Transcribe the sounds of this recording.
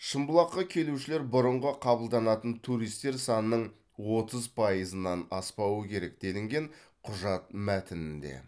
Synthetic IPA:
ʃəmbəlˠɑqːɑkʲʰe̞luʃɪle̞ɾbʊɾəɴʁəqʰɑbəlˠd̪ɑnɑt̪ənt̪ʰuɾijst̪e̞ɾsɑnənːəɴ | wo̞t̪əzpʰɑjəzənːɑnɑspɑwəkʲʰe̞ɾe̞k̚d̪e̞lɪŋɡʲe̞ɴ | qʰʊʒɑt̪̚mæt̪ɪnɪnd̪e̞̰

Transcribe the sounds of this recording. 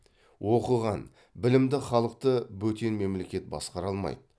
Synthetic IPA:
wo̞qəʁɑn | bɪlɪmd̪ɪχɑlˠəq̚t̪əbɵt̪e̞nme̞mle̞kʲe̞t̪̚bɑ̰sqɑɾɑlˠmɑ̰jd̪ə

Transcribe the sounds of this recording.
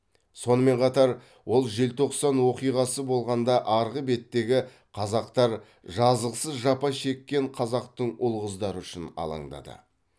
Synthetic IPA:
so̞nəme̞ɴqʰɑt̪ɑɾ | wʔo̞lˠʒelt̪ʰo̞qsɑnwo̞qijʁɑsəbo̞lˠʁɑnd̪ɑʔɑɾʁəbe̞t̪ːe̞ɡʲɪ | qʰɑzɑqt̪ɑɾ | ʒɑzəʁəsəzʒɑpɑʃe̞kʲːe̞ɴqʰɑzɑqt̪əɴʊlˠʁəzd̪ɑɾəʏʃɪnɑ̰lˠɑ̰ŋd̪ɑ̰d̪ə̰

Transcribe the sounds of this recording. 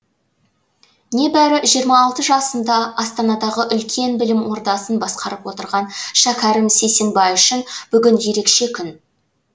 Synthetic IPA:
ne̞bæɾɪʒijəɾmɑːlˠt̪əʒɑsənd̪ɑɑst̪ɑnɑd̪ɑʁəʔʏlkʲʰe̞nbɪlɪmwo̞ɾd̪ɑsənbɑsqɑɾəpwo̞t̪əɾʁɑnʃækʲʰɑɾɪmsejse̞nbɑjʏʃɪnb̥ʏɡʲɪnje̞ɾe̞kʃe̞kʲʰʏn

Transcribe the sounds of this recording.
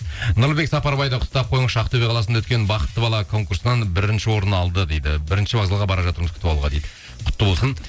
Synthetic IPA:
nʊɾlˠbe̞ksɑpɑɾbɑjd̪ɑqʰʊ̥t̪t̪ːɑp̚qʰo̞jəɴəʃɑqt̪ʰɵbeqɑlˠɑsənawɵt̪kʲe̞nbɑqə̥t̪ːəbɑlˠɑkʰo̞ŋkuɾsənɑnbɪɾɪnʃɪwo̞ɾənɑlˠd̪əd̪e̞jd̪ɪ̰bɪɾɪnʃɪbɑzɑlˠʁɑbɑɾɑʒɑt̪əɾməzkʰʏ̥t̪ɪbɑlˠuʁɑd̪ejd̪ɪ | qʰʊ̥t̪ːəbo̞lˠsən

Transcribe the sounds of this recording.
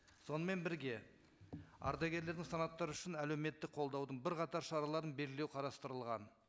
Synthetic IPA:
so̞nəme̞nbɪɾɡʲe̞ | ɑ̰ɾd̪ɑɡʲe̞ɾle̞ɾd̪ɪŋsɑnɑt̪ːɑɾəʏʃɪnælewme̞t̪ːɪk̚qʰo̞lˠd̪ɑwd̪əɴbɪɾqɑt̪ɑɾʃɑɾɑlˠɑɾənbe̞lɡʲɪlewqʰɑɾɑst̪əɾəlˠʁɑn

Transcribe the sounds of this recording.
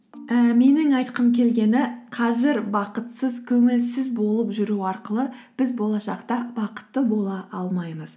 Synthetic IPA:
əme̞nɪŋɑjt̪qəmkʲʰe̞lɡʲe̞nɪqʰɑzɪɾbɑqət̪səzkʲʰɵŋɪlsɪzbo̞lˠəpʒʏɾuɑɾqəlˠəb̥ɪzbo̞lˠɑʃɑqt̪ɑbɑqə̥t̪ːəbo̞lˠɑʔɑlˠmɑjməz̥

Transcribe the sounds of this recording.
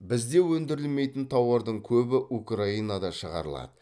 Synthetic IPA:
bɪzd̪e̞wɵnd̪ɪɾɪlme̞jt̪ɪnt̪ʰɑwəɾd̪əɴkʲʰɵbɪʔukraijnad̪ɑʃəʁɑ̰ɾəlˠɑ̰d̪ə

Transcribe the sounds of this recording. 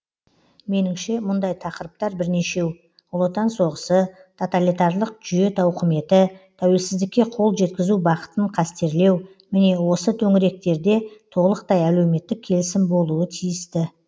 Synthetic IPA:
me̞nɪmʃe̞mʊnd̪ɑjt̪ʰɑqəɾəp̚t̪ɑɾbɪɾne̞ʃe̞w | ʊlˠot̪ɑnso̞ʁəsət̪ʰo̞t̪alijt̪ɑɾlˠəq̚ʒʏje̞t̪ʰɑwqʰəme̞t̪ɪt̪ʰæwe̞lsɪzd̪ɪkʲːe̞qʰo̞lˠʒe̞t̪kʲɪzubɑqə̥t̪əɴqʰɑst̪e̞ɾle̞w | mɪne̞wo̞sət̪ʰɵŋɪɾe̞k̚t̪e̞ɾd̪e̞t̪ʰo̞lˠəq̚t̪ɑjæle̞wme̞t̪ːɪkʲʰːe̞lɪsɪmbo̞lˠuət̪ʰijɪst̪ɪ

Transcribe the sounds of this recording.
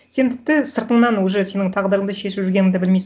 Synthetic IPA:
se̞nt̪ʰɪ̥p̚t̪ɪsəɾt̪əɴnɑnwɵʒese̞nɪŋt̪ʰɑʁd̪əɾəɴd̪ɑʃe̞ʃɪpʒʏɾɡʲe̞nɪŋd̪ebɪlmijs

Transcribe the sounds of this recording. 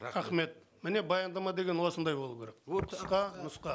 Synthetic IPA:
ɾæχme̞t̪̚ | mɪne̞bɑjɑnd̪ɑmɑd̪e̞ɡʲenwo̞sənd̪ɑjbo̞lˠəp̚kʲeɾeksqɑnʊsqɑ

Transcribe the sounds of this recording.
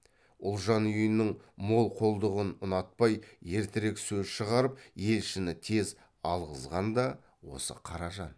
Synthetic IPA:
ʊlˠʒɑnʏjənːɪɴmo̞lˠqʰo̞lˠd̪əʁənʊnɑt̪̚pɑjje̞ɾt̪ɪɾeksɵzʃəʁɑɾəp̚je̞lʃɪnɪt̪ʰe̞z | ɑlˠʁəzʁɑnd̪ɑ | wo̞̰sə̰qʰɑɾɑʒɑn

